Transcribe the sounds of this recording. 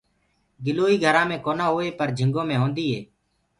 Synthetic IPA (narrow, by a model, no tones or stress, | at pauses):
ɡɪloːiːɡʱəɾãːmẽːkoːnãːɦoːeːpəɾd͡ʒʱɪ̃ŋɡõːmẽːɦõːnd̪iːɦḛː